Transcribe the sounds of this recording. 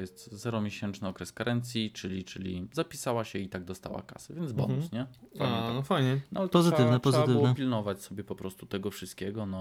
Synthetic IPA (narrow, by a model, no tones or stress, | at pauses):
jɛst̪zɛɾɔmʲjeɕɛnt͡ʂnɘɔkɾɛskaɾʔɛnt̪sʲjit͡ʂɘlʲit͡ʂɘlʲizapʲisawaɕɛit̪aɡ̚d̪ɔst̪a̰wa̰ka̰savʲjɛnd̪zbɔ̰nusɲɛa̰anɔfajɲɛnɔalɛt̪ɔzɨt̪ɘvnɛpɔzɛɨat̪ɘvw̪ɛpʲilnɔvat͡ɕsɔbʲjɛpɔpɾɔst̪ut̪ɛɡɔfʂɨst̪̚kʲɛɡɔnɔ